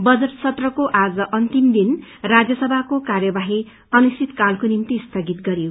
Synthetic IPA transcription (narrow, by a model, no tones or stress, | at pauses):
bʌd͡zʌʈsʰʌt̪rʌkoʔad͡zʌʔʌnt̪imd̪inrad͡zjʌsʌbʱakokarjʌbaɦi | ʌnist̪it̪kalkonimt̪ist̪ʰʌɡit̪ɡʌɾijo